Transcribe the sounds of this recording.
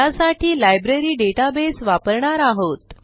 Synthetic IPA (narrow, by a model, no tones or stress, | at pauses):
asaʈʰiːlajbɾeɾiːɖeʈabesʋapəɾɳaɾaɦot̪